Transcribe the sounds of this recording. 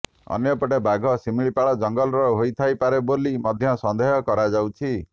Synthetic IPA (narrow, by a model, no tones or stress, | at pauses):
ɔ̰njɔpɔʈebaɡʱɔsimiɭipaɭɔd͡ʒɔŋɡɔlɾɔɦojt̪ʰajpaɾebolimɔd̪ʱjɔsɔnd̪eɦɔkɔɾad͡ʒawt͡ʃʰi